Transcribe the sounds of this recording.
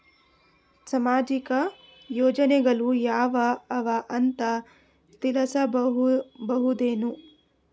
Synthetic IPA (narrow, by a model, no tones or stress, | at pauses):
sɐmaːd͡ʒikɐ | joːd͡ʒɐneɡɐlujaːʋɐɐʋaʔɐnt̪ɐ | st̪ilɐsɐɦbɐɦud̪eːnu